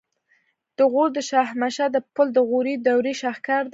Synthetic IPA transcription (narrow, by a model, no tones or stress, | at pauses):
d̪̥əɣuɾd̪əʃɑhmaʃad̪əpəld̪əɣuɾid̪awɾiʃɑhkɑɾd̪